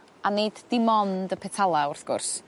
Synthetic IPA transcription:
aneddɪmɔndəpʰɛtʰalˠaʊrθɡ̥ʊ̰rs

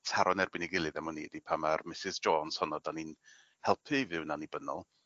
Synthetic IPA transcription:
tʰaɾɔnɛrbɪniɡɪlˠɨðɛmɔniːdipʰamarmɪsɪzd͡ʒɔːnshɔnɔdanin | hɛlˠpʰɨvɪwnanibənɔ̰lˠ

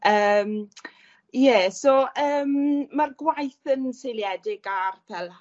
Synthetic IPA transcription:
ʔəːm | jɛːsoʔəːmːarɡwajθənseljɛdɪɡarpʰɛl

